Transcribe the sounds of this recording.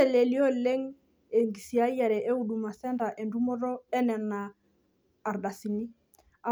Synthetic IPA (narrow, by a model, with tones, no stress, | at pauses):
ɛ˨le˨li˦ɔ˦le˦ŋ | e˨ŋɡi˨si˨a˦ja˨ɾɛ˨ʔe˦u˨ɗu˨ma˨sɛ˦nda˨ʔe˨ndu˦mɔ˦ɾɔ˦ɛ˦nɛ˨naː˨ | ɾɗa˨si˨ni˦ | a˨